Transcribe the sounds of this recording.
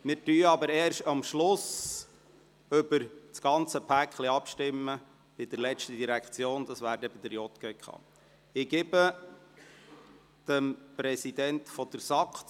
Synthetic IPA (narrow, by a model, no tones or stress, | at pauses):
mɪːɾtyːɑbəɾɛːɾʃtɑmʃlʊs | ʏbəɾt͡sɡɑnt͡səpʰækχliɑpʃtɪmːə | b̥ɪd̪əɾlɛt͡ʃtəd̪iɾækχt͡sjoːnd̪ɑsʋæːɾdɛb̥ɪd̪əɾjɔt̪kɛkχɑ̰ː | ɪɡ̥ɪbə | d̪̥əmpɾɛsid̪ɛnt̪fɔd̥̪əɾsɑkt̪